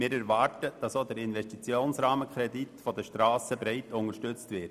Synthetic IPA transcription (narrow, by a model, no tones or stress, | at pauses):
mɪːɾɛɾvɑːɾtəd̥ɑsoːdɛɾɪnvɛstit͡sjoːnsɾɑːməkχɾɛditfɔdəʃtɾɑːsəbɾɛɪtʊŋəʃtʏt͡stvɪt